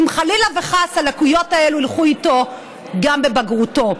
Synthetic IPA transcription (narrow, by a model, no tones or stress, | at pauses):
imχalilaveχasalakujo̞taeluilχuito̞ | ɡambe̞baɡʁuto̞